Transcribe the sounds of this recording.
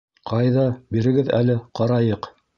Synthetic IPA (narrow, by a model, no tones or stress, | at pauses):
qʰɑjðɑbiɾɘ̆ɡɘðæ̰lɘqɑɾɑjɤq